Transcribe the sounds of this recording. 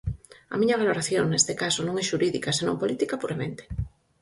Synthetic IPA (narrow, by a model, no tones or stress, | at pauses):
ɐ̰miɲɐβaloɾaθjoŋnest̪ekasonõŋɛʃuɾiðikasenõ̰mpolit̪ikapuɾamḛ̃nt̪e̥